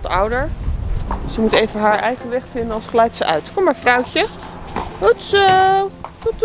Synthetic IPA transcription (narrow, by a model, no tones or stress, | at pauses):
tʌwdəɹ | səmutejvənɦaːɹʔɛjχənʋɛχfɪndənɑlˠsχlɛjtsəʔœɥtkɔmːaɹfrɔwcə | əts | t